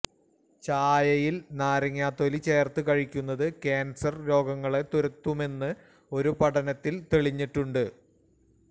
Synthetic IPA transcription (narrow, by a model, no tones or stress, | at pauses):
t͡ɕaːjɐjilnaːɾɐŋːjaːt̪o̞lit͡ɕeːrt̪ɨkɐɻikʲːunːɐðɨkeːnsɐrlo̞ːɡɐŋːɐɭe̞t̪uɾɐt̪ːume̞nːɨ | o̞ɾupɐʈɐnɐt̪ːilt̪eɭiɲːiʈːuɳɖɨ